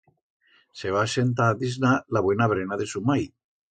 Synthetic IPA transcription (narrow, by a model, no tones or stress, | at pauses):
seβ̞asent̪̬aðiznalaβwenaβɾenaðesumaj